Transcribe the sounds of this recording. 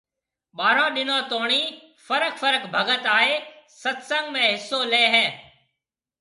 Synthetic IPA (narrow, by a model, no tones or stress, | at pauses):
ɓaːɾãːɗɪnãːt̪oːɳ̃iː | fəɾəkfəɾəkbʱəɡət̪aːɦeːsət̪sə̃ŋɡmẽːɦɪsːoːleːɦɛː